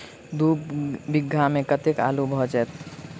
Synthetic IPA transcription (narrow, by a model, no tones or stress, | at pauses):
d̪uːpbɪɡʱːamẽkət̪eka̰ːlubʱɔːd͡ʒɛt̪